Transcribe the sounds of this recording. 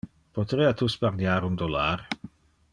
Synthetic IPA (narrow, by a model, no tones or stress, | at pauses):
pot̪ɾiːat̪uspard̪jaːɾund̪olaɾ